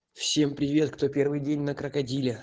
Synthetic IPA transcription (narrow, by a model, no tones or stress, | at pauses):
fsʲe̞mpɾʲɪvʲe̞t̪kt̪o̞pʲe̞rvɨjdʲenʲnəkɾəkɐdʲilʲɪ